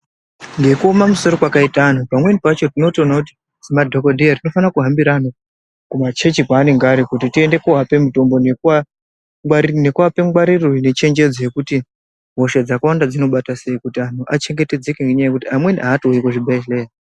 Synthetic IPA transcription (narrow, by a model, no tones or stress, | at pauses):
ŋɡe̞kuomamuso̞ɾo̞kwakaitaːn̤upamwe̞nipat͡ʃo̞tino̞tio̞nakuti̥ | simadʱokodʱeatino̞fanakuɦambiɾana | kumat͡ʃe̞t͡ʃipaːneŋɡaɾikutitie̞nde̞koɦape̞muto̞mbo̞neka | ne̞kuapeɡwaɾirone̞t͡ʃe̞ɲd͡ʒe̞d͡zoje̞kuti | ɦo̞ʃed͡zakawandad͡zino̞ɓatase̞ikutian̤uʔat͡ʃe̞ŋɡe̞te̞d͡ze̞keŋɡeɲajekutiamwe̞niʔaːtoikoʐibʱeʃle